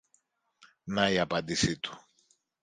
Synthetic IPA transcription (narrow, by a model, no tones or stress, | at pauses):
naiɐpɐnd̪isit̪u̥